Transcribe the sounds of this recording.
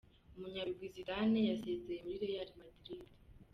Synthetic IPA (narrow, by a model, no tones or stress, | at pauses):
umuɲaɾuɡwiziɾanejaseːzejemuɾiɾejaɾimadiɾiɾe